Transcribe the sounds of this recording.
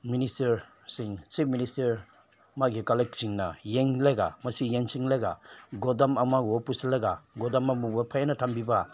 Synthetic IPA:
ministɐɾ | siŋt͡ʃip̚ʰministɐɾ | maɡikalek̚siŋnɐjeŋlajɡa̰mɐsijeŋsiŋlaɡaɡɔdamamaɔpusalajɡaɡɔdamamubapʰajanɐtʰambiba

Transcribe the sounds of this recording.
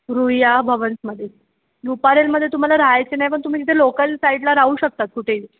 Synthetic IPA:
ɾujabʱəʋənsməd̪ʱːje | lupaɾelməd̪ʱjet̪um̤alaɾaajt͡senajpəɳt̪um̤iːkit̪ʰelokəlsaiɖlaɾaɦuːɕək̚t̪at̪̚kuʈʰei

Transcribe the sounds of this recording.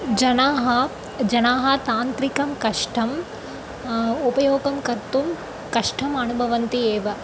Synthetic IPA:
d͡ʒɐnaːɦɐ | d͡ʒɐnaːɦɐt̪aːnt̪ɾikɐmkɐʂʈʰɐm | upɐjoːɡɐmkɐɾt̪um | kɐʂʈʰɐmɐnubʱɐʋɐnt̪ieːʋɐ

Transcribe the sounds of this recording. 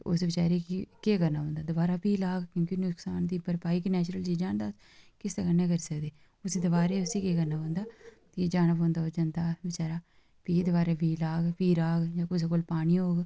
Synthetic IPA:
ʊ̰sʋɪt͡ʃaːɾeːkikeːkəɾnaːɦõːnd̪aːd̪ʊbaːɾaːpiːlaːɡkjõːkinʊksaːnd̪iːpəɾpaːiːkinɛːt͡ʃɾəlt͡ʃiːd͡ʒaːɳd̪aːs | kɪst̪akəneːkəɾiːsəkd̪eː | ʊsĩːd̪əbaːɾeːʊsiːkeːkəɾnaːɦõːnd̪aːt̪ed͡ʒaːnapõːnd̪aːod͡ʒaːnd̪aːʋɪt͡ʃaːɾaː | piːd̪baːɾeːpiːlaːɡpiːɾaːɡd͡ʒãːkʊs̬eːkoːlpaːɽ̃iːoːɡ

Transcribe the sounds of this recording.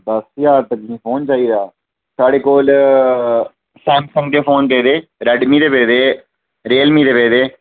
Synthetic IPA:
d̪ɐsjaːɾt̪əkːĩfoːnt͡ʃaːiɾjaː | saːɽeːkoːl | sɛ̃ːmsɐ̃ŋɡ̚d̪eːfoːnbeːd̪eːɾɐɖmiːd̪eːbeːd̪eː | ɾeːlmiːd̪eːbeːd̪eː

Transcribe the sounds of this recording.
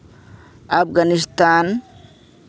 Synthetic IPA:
afɡanist̪aːn

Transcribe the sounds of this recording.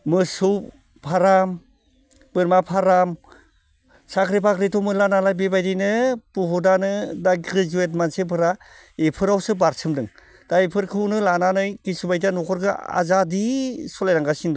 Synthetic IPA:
mɯsɯw | pʰaɾam | b̥ɯɾmapʰaɾam | sakʰɾipakɾitʰɔmɯlanalajbibajdinɯpuɦɔdanɯdaɡɾizuetmansepʰɯɾa | epʰɯɾawsɯbaɾsʰɯmdɯŋ | d̥ajpʰɯɾkʰɯwnɯlananɯjkisubajtanɔkʰɔɾɡɯa̰zadisɔlajɾaŋɡasind

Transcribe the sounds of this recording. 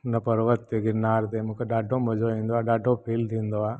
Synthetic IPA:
nɐpəɾʋət̪ːeɡɪɾnaːɾd̪emũkeɖaːɖõmɐd͡ʒoĩnd̪oaːɖaːɖõpʰiːld̪ĩːnd̪oaː

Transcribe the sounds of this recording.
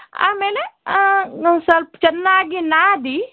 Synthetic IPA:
a̰meːle | sɐɾpt͡ʃɐnːaɡinad̪iː

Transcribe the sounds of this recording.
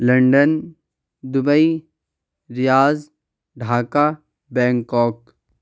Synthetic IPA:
lɐ̃ɳɖən | d̪ʊbəi | ɾɪjaːz | ɖʱaːka | bɛ̃ːŋkɔːk

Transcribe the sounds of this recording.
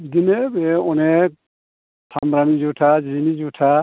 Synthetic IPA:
dinebeɔnɛ | tʰamɾanid͡ʒutʰad͡ʒinid͡ʒutʰa

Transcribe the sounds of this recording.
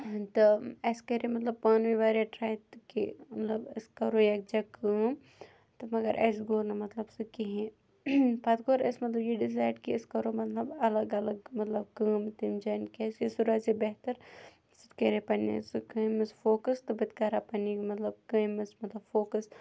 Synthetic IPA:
t̪ɨɐskeɾemɐt̪lɐb̚paːnʋiʋaːɾeʈɾaːjt̪kḭmɐt̪lɐbɪskɐɾojeːk̚d͡ʒakəːm | t̪ɨmɐɡɐɾʔɐ̰ːs̬ɡoːnɐmɐt̪lɐbsɨkiɦẽ | pɐt̪ɡoːɾɐ̰smɐt̪lɐbjeɖɪz̬aːjɖkiɪskɐɾomɐt̪lɐbɐlɐɡɐlɐɡmɐt̪lɐb̚kəːmt̪imd͡ʒɐːnkesesuɾaːzibeɦt̪ɐɾ | sɨt̪keɾepɐnḭsɨkɐmɐsfoːkəst̪ɨbɨt̪kaːɾapɐnimɐt̪lɐb̚kɐːmɐsmɐt̪lɐbfoːkɐs

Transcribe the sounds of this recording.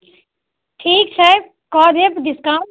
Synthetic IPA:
ʈʰiːk̚t͡ʃʰa | kɔːd̪epd̪ɪskã

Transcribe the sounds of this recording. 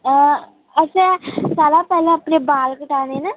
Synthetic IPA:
ə | ət͡ʃɛ̃saːlãːpɛːlãəpneːbaːlkəʈaːneːna

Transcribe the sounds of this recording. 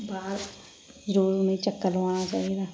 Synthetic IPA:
baːɾ | zəɾuːɾnĩːt͡ʃəkːəlʋaːnaːt͡ʃa̰ːɦid̪aː

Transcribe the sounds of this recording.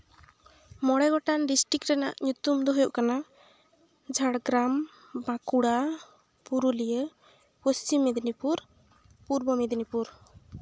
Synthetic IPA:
mɔɽɛɡɔʈanɖisʈikɾɛna̰ʔɲut̪umd̪ɔɦujoʔkana | d͡ʒʱaɽɡɾam | bãkuɽa | puɾulijə | post͡ʃimːed̪nipuɾ | puɾbɔmid̪nipuɾ

